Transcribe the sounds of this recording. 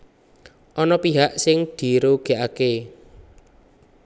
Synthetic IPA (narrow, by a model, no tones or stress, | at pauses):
ʔɔnɔpiɦaʔsɪŋd̪̥i̤ɾoɡ̥e̤ʔake